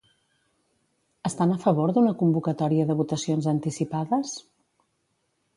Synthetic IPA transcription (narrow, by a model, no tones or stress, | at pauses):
əst̪anəfəβ̞oɾðunəkumbukət̪ɔɾiəðəβut̪əsionzənt̪isipaðəs